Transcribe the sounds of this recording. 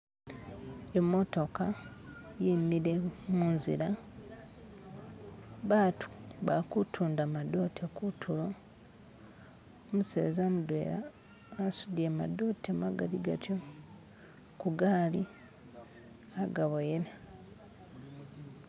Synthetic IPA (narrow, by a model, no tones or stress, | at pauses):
emːo̞to̞ka | jimiɾemuːnzḭɾa | βaːtʰu̥βakutʰuːndamado̞tekutʰulo | omusḛːzamudwe̞̰ːɾa̰ | asudjama̰do̞temaɡaliɡa̰tjo | kuɡaːli | aɡaβojela